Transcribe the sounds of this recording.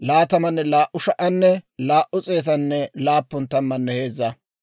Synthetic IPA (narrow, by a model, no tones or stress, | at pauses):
laːt̪ɐmɐnːɛlaːʔʊʃɐʔɐnːɛlaːʔʊt͡sʼe̞ːt̪̬ɐnːɛlaːpːʊnt̪ɐmːɐnːɛhe̞ːzɐ